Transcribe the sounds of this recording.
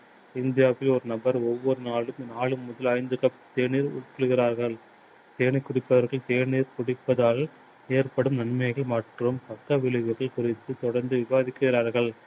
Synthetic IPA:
ɪnd̪ɪjaːʋɪlɔɾɯnɐbɐɾɔʋːɔɾɯnaːlɯmnaːɭɯmːʊðɐlɐɪnd̪ɯkɐpt̪eːɳiːɾʊ̰ʈːɪɭɯɣɪɾaːɾɣɐɭ | t̪eːɳɪkːʊɽɪpːɐʋɐɾɣɐɭt̪eːɳiːɾkʊɽɪpːɐðaːɭ | eːɾpɐɽɯmnɐɳmɐɪɣɐɭmaːʈrɯmpɐkːɐʋɪɭɪɣɯɣɐɭkʊrɪt̪ːɯt̪ɔɽɐɾnd̪ɯʋɪbaːðɪkːɯɪɾaːɾɣɐɭ

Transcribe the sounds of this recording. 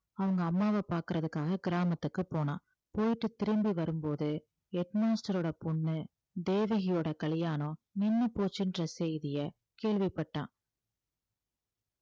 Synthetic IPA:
ɐʋɐŋɡɐːmːaːʋɐpaːɾkɯɾɐðɯkːaːɣɐɡɪɾaːmɐt̪ːɯkːɯpoːnã̰ː | poːjɪʈːɯt̪ːɪɾɯmbiʋɐɾɯmpoːðɯ | ɛʈnaːsʈɐɾoːɽɐpʊɳːɯ | d̪eːʋɪɣɪjoːɽɐkɐlɪjaːnõːnɪnːɯpoːt͡ʃːɪndrɐsejɪðɪjɐ | keːɭʋipːɐʈːã̰ː

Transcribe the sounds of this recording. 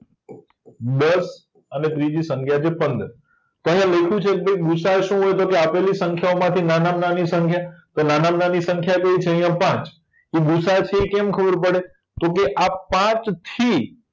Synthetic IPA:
d̪əs | ənet̪ɾid͡ʒisəŋkʰjat͡ʃʰepənd̪əɾ | t̪oɦjãləkʰjũt͡ʃʰekebeiɡusaʃũɦojt̪okeapelisə̃ŋkʰjaomãt̪ʰinanamnanisəŋkʰjat̪onanamnanisəŋkʰjaɡəit͡ʃʰeəɦijãpãt͡ʃ | iɡusat͡ʃʰeekɛmkʰəbəɾpəɽe | t̪ok̬eʔapːãt͡ʃt̪ʰi

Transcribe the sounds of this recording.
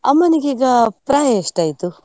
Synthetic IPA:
ɐmːɐniɡeiːɡɐpɾaːjɐeʂʈaːjit̪u

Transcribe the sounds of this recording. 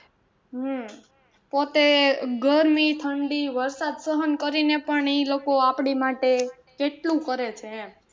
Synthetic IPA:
ɦ | pot̪eɡəɾmit̪ʰəɳɖiʋəɾsad̪səɦənkəɾinepəɳilokoapɳimaʈe | keʈlũkəɾet͡ʃʰẽ

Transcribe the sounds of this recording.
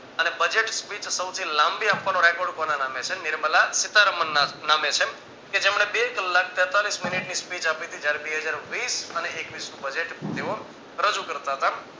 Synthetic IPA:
ənebəd͡ʒeʈspit͡ʃsəwt̪ʰilãmbiamkənõɾɛkoɾɖkonanamet͡ʃʰenɪɾməlasɪt̪aɾəmənːanamet͡ʃʰe | ked͡ʒemɽ̃ebekəlːak̚ʰt̪jət̪alisminiʈnispit͡ʃapit̪ʰid͡ʒjaɾebeɦəd͡ʒaɾʋisəneʔekʋisnũbəd͡ʒeʈt̪eo | ɾəd͡ʒukəɾt̪aɦət̪a

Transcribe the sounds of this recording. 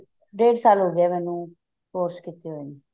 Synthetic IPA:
ɖeːɖsaːlɦoːɡɪɛːmɛːnũː | koːɾskit̪eɦoːeːniː

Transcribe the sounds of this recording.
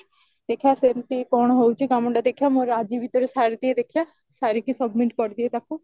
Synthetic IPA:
d̪eːkʰjaːseɾt̪iːpɔːɳ̃ɦout͡ʃikaməɳɖaːd̪ekʰjaːmõɾaːd͡ʒiːbit̪əɾsaːɾd̪ied̪ekʰjaː | saːɾikisəbmɪʈkɔɾd̪iet̪akʰo

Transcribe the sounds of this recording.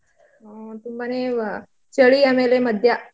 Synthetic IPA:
t̪umbəne | t͡ɕəɭiemeleməd̪ʱja

